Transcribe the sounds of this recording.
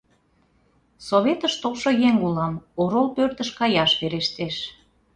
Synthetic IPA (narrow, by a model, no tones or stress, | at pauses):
soβet̪əʃt̪olʃojeŋulɑmoɾolpørt̪əʃkɑjɑʃβeɾeʃt̪eʃ